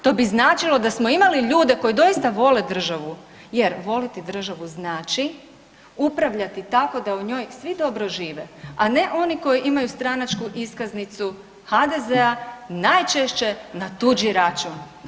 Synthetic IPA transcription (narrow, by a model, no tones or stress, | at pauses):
t̪o̞biznaːt͡ʃilˠo̞d̪asmo̞imaliʎuːd̪eko̞jid̪o̞ist̪aʋo̞led̪r̩ʒaʋu | jeɾʋo̞lit̪id̪r̩ʒaʋuznaːt͡ʃi | upɾaʋʎat̪it̪ako̞d̪auɲo̞ːjsʋid̪o̞bɾo̞ʒiːʋeane̞ʔo̞niko̞jiʔimajust̪ɾanat͡ʃkuʔiskaznit̪su | had̪e̞zeanajt͡ʃeʃt͡ʃe̞nat̪ud͡ʒiɾat͡ʃuːn